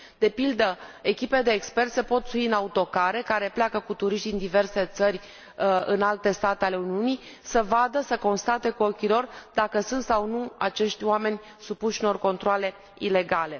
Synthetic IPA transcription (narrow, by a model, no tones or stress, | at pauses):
d̪̥e̞pild̪əekʲiped̪eːkspe̞rt̪sepo̞t̪fuiɨnaut̪o̞kaɾe̞kaɾe̞pleakəkut̪uɾiʃt̪ind̪ive̞rse̞t̪sərʲ | ɨnalt̪e̞st̪at̪eale̞uniunij | səvad̪əsəko̞nst̪at̪e̞kuokʲilo̞rd̪akəsunt̪sawnuat͡ʃe̞ʃt̪ʲwame̞nʲ | supuʃuno̞rko̞nt̪ɾoale̞ | ile̞ɡale